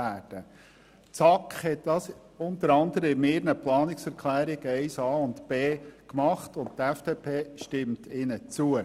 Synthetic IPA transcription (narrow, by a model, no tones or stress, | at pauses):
æːd̥ə | t͡sɑkχhɛtd̥ɑːs | ʊnt̪əɾɑndəɾəɪmɪɾnəplɑːnɪksɛɾkʰlæːɾɪɡ̥ɛɪsɑːʊntb̥eːkmɑχtʊnt̚tɛfd̥epʰeːʃtɪmtʰɪnət͡suə